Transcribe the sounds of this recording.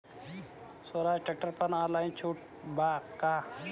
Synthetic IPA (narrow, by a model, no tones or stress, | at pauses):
soːɾaːd͡ʒʈek̚ʈəɾpɐnaːlaːĩt͡ʃʰuːʈ̚ | baːkaː